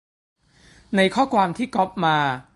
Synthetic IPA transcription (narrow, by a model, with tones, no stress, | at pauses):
na˧jkʰɔː˥˩kʰwaː˧mt̪ʰiː˥˩kɔ˦˥p̚maː˧